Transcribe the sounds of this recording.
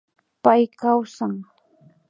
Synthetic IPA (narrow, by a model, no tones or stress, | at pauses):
pajkawsaŋ